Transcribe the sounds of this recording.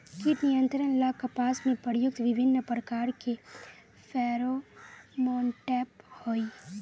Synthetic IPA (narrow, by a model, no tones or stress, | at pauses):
kit̪nijə̃nt̪ɾənlakəpaːsmẽpəɾjʊk̚t̪ʋɪbʱɪnːəpɾəkaːɾke | fʰɛːɾomɔːnʈɛːphoːi